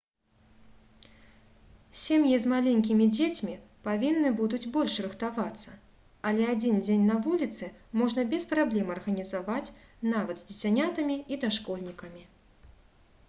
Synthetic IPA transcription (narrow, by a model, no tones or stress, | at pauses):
sʲemjizmalʲenʲkʲimʲid͡zʲet͡sʲmʲi | pavʲinːɨbud̪ud͡zʲbɔlʲʂrɨxt̪avat̪sːɐ | ɐlʲɛad͡zʲind͡zʲenʲnɐvulʲit̪sɨmɔʐnɐbʲɛspɾablʲɛmɐrɣɐnʲizavat͡sʲnavɐd̪zʲd̪ʲɪsʲanʲat̪ɐmʲiid̪aʂkɔlʲnʲikɐmʲi